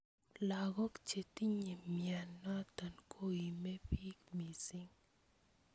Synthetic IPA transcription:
la˨ɡɔ˦kt͡ʃe˨t̪i˦ɲe˨mja˨nːa˦t̪a˨nkʰo˦i˨me˦pi˦kmi˨sɪ˦ŋ

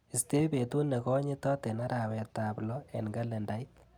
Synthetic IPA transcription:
i˨ste˦be˨tu˦ne˨kɔ˦ɲe˦tɔ˦te˨na˦ɾa˨wɛ˨ta˨plɔ˦ɛ̰˨nɡa˦lɛ˨nda˨jit̚

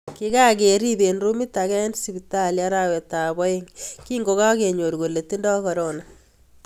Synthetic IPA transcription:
kɪ˦ka˦ke˨ɾi˦be˨nɾu˦mi˦ta˨kɛ˦nsi˨bita˦lja˦ɾa˨we˨ta˨bɔ˦i˦ŋki˦ŋɡo˨ka˦ke˨ɲo˨ɾɡo˨le˨ti˦ndɔ˦kɔ˨ɾo˨na˨

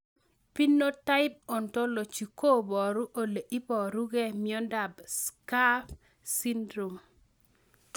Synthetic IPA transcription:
pi˦nːo˦ta˦ɪ˦p̚ɔ˨ntɔ˦lo˨t͡ʃi˨ko˦bɔ˨ɾu˦ʔo˦˨le˨ʔi˦bɔ˨ɾu˦ɡɛ˦mi˦ɔ˦nda˨bska˦f | si˦ndɾu˨m

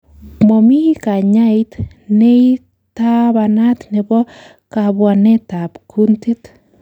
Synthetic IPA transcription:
mɔ˨mi˦ka˨ɲa˦jt̪ | ne˦i | t̪a˦βa˧na˦t̪ne˨bɔ˦ | ka˨bwa˨nɛ˦t̪a˨pkʰunti˦t̪

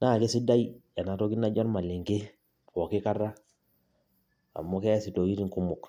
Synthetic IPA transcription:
na˦˨ke˦si˦da˦ja˨na˨to˦ki˦na˦ɟɔ˦nma˨li˨ŋɡe˦ | po˨ki˦ka˦ra˦ | a̰˨mːu˦ke˦si˨to˨ki˦ɾi˦ŋku˦mu˨k

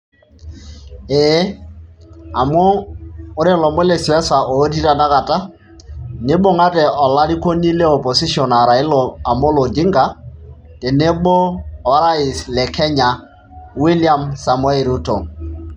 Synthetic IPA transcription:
e˨˦ | a˨moː˦ɾɛ˦˨lɔ˨mɔ˦lɛ˨si˨wɛ˦sa˨ʔo˨˦ti˦ɾa˨na˦ka˨ta˦ | ne˦bo˦ŋa˦tɛ˨ʔɔ˨la˦ɾi˦ko˦ni˦lɛ˦ɔ˨pɔ˨si˦ʃɔ˨na˨ɾa˨ɪ˦lɔ˨a˨mo˦lɔ˨d͡ʒɪ˦ŋɡa˨ | tɛ˨ne˦ɓoː˦˨˦ɾa˦ɪ˨slɛ˨kʰɛ˦ɲa˨ | wi˦lia˨msa˨mwɛ˦˨ɾu˦to˨

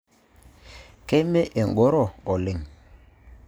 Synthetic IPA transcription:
ke˦me˦ʔe˨ŋ˨ɡo˨˦ɾɔ˦˨ɔ˨le˨ŋ

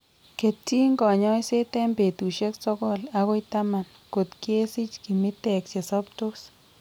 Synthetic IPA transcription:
ke˨tːi˦ŋɡɔ˨ɲɔ˦i˦se˦t̪e˦mbe˨t̪u˨ʃe˦ksɔ˦kɔ˦˨la˨ɣɔ˦i˦t̪a˦ma˨n | ko˨t̪kje˦si˦t͡ʃki˨mi˦t̪ɛ˨kt͡ʃe˨sɔ˦p̚to˦s

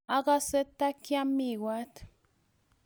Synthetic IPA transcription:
a˦ɡa˦se˦t̪a˦kja˦mi˦˨wa˦t̪

